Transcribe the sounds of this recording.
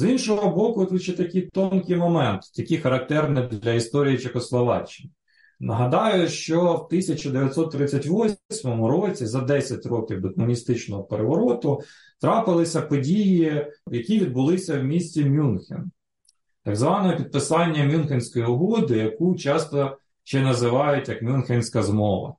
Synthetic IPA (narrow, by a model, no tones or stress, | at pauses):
zinʃɔɦɦɔbɔkʊt̪ʋuʃt͡ʃɛt̪ɐkʲijt̪ɔnkɪjmɔmɛnt̪jɐkʲixɐɾɐk̚t̪ɛrnɛd̪lʲɐist̪ɔɾʲijit͡ʃexɔslˠɔʋɑ̰t͡ʃːɪn | nɐɦɐd̪ɑjʊʃt͡ʃɔwt̪ɪsʲɐt͡ʃɐd̪eʋʲjɐt̪ʲsɔt̪ːɾɪt͡sʲːɐtʲʋɔsʲmɔmʊɾɔt͡sʲizɐd̪ɛsʲɐtʲɾɔkʲiwd̪ɔkmʊnʲist̪ɪt͡ʃnɔɦɔpeɾeʋɔɾɔt̪ʊ | t̪ɾɑpɪlˠɪsʲɐpɔdʲijijɐkʲiʋʲid̪̚bʊlˠɪsʲɐwmʲisʲt͡sʲimʲunxʲɪ̰n | t̪ɐɡzʋɑnɔɦɛpʲid̪̚pɪsɑnʲːɐmʲjunxʲɪnʲsʲkɔjiʊɦɔd̪ɪjɐkut͡ʃɑst̪ɔ | t͡ʃɛnɐzɪʋɑjʊtʲjɐkmʲunxʲɪnʲsʲkɐzmɔʋɐ̰